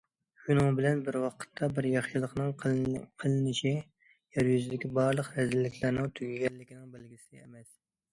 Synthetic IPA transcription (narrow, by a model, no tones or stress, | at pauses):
ʃunɨŋbɪlɛnbɪɾwɑqʰə̥t̪ʰːɑbɪɾjɑχʃilˠəqnɨŋqʰəlˠɪnɪʃi | jɛɾjyzɪd̪ɪkʲibɑɾlˠəqɾɛzɪlːɪkʲlæɾnɪŋt̪ʰyɡʲiɡʲɛlːɪkʲinɪŋbɪlɡʲisɪemɛs